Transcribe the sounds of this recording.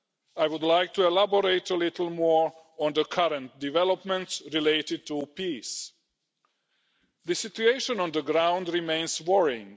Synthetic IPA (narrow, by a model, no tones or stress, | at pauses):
ajwʊdlaɪk̚tʰuɛlabəɹeɪtəlɪtl̩ˠmɔɹ | ɔ̃nðəkʰaɾə̃nt̚divɛlˠəpmɛ̃ntsɹileɪtɪd̚tupis | ðɨsɪtueɪʃə̃nɔ̃nðəɡɹãʊ̃ndɹimẽɪ̃nswɔɹɪ̰̃ŋ